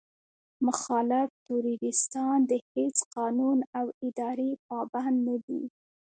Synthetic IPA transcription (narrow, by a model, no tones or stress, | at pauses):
mʊxɑlɪft̪uɾiɡɪst̪ɑnd̪əhet͡sqɑnunawɪd̪ɑɾepɑband̪nːad̪ḭ